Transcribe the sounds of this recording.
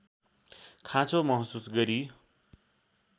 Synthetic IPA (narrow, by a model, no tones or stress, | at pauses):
kʰãt͡sʰomʌɦsusɡʌɾi